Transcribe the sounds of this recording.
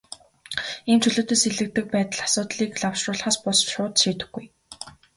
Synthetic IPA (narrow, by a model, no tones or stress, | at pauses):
ent͡ɕʰɵɮɵ̆ːt̪ɵ̆seɮɘ̆k̚t̪ɘ̆k̚pæːt̪ə̆ɮḁsʊːt̪ɮiːkɮawʃrʊːɮ̆χaːspʊsʃʊːt̪ʃiːt̪ɘ̆xɡuj